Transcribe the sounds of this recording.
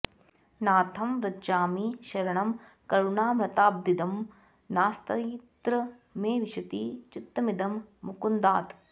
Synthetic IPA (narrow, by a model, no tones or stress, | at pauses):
naːt̪ʰɐmɾɐd͡ʒaːmiʃɐɾɐɳɐm | kɐɾuɳaːmɾɐt̪aːb̚d̪id̪ɐm | naːst̪ɐt̪ɾɐmeːʋiʃɐt̪iːt͡ʃut̪ːɐmid̪ɐmːukund̪aːt̪